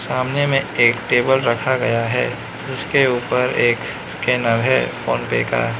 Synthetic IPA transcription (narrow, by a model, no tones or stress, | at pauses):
saːmnemẽeːkʈeːbəlɾɐkʰaɡɐjaɦɛ̰ː | d͡ʒɪskeuːpəɾeːk | skeːnəɾɦɛ̰ːfo̰ːnpḛːka̰ː